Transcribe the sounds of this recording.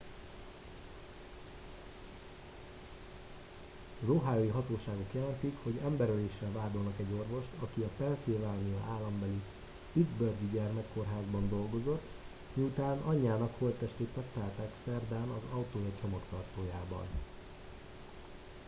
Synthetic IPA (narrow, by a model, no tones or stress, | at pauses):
ɒzoɦaːjojiɦɒt̪oːʃaːɡo̞kjɛlɛnt̪ikho̞ɟɛmbɛɾøleːʃːɛlvaːd̪o̞lnɒkɛɟːo̞rvo̞ʃt̪ʰɒkiɒpɛnsilvaːnijɒʔaːlːɒmbɛli | pid̪zbørɡiɟɛrmɛkːo̞rɦaːzbɒnd̪o̞lɡo̞zo̞t̪ː | miut̪aːnɒɲːaːnɒkho̞lt̪ːɛʃt̪eːt̪ːɛkt̪ːaːrt̪aːksɛrd̪aːnɒzɒwt̪oːjɒt͡ʃo̞mɒkt̪ɒrt̪oːjaːbɒ̰n